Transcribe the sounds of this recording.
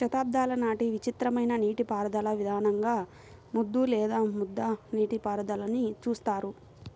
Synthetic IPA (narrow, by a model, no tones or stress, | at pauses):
ʃɐt̪aːb̚d̪ʱaːlɐnaːʈiʋit͡ʃit̪ɾɐmɐjnɐniːʈipaːɾɐd̪ɐlɐʋid̪ʱaːnɐŋɡaː | mud̪ːulɛːd̪aːmud̪ːɐniːʈipaːɾɐd̪ɐlɐnit͡ʃuːst̪aːɾu